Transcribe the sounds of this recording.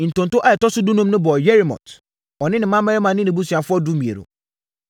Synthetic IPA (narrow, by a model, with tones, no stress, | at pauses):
n̩˨tõ˨n˨tʊ˦ʔa˦jɛ˨tɔ˦sʊ˦du˦nũ˦mnʊ̃˦bɔ˨jɛ˦ɾi˨mɔ̰̃˨t | ɔ˨nɪ̃˦nɪ̃˨mã˦ma˦ɾɛ˦mã˨nɪ̃˦nɪ̃˨bu˦si˨a˨fʊ˦ɔ˦du˦mĩ˨ḛ˨ɾo̰˨